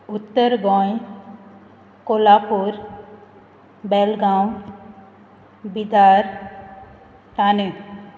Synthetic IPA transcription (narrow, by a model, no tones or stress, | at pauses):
ut̪ːəɾɡɔ̃j | kolapuɾ | bɛlɡaw | bid̪ʱaɾ | t̪ane